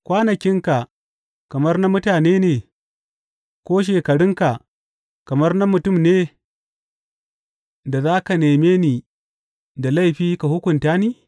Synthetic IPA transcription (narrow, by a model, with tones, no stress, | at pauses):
kʷaː˦nɐ˨kʲɪ˦ŋka˨ | kɐ˨mɐ˦rna˦mʊ˦taː˨neː˦neː˨ | kʷoː˦ʃ̬eː˨kɐ˨ɽɪ˦ŋka˨ | kɐ˨mɐ˦rna˦mʊ˨tʊ˦˨mneː˦ | da˨zaː˦ka˨neː˨meː˦niː˨ | da˨la˦˨jɸiː˦ka˨hʊ˦kʷʊ˨ntaː˦niː˦